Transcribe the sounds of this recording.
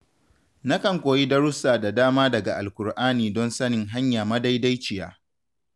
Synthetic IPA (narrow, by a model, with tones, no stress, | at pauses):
na˦kɐ˨ŋkʷoː˨ji˦dɐ˦ɽʊ˦saː˨da˨daː˦maː˦dɐ˨ɡa˨ʔa̰˨lkʷʊ˨rʔaː˦niː˨dɔ˦nsɐ˦nɪ˨ŋɦa˦ɲjaː˨mɐ˦da˦jda˦jt͡ʃɪ˨ja̰ː˦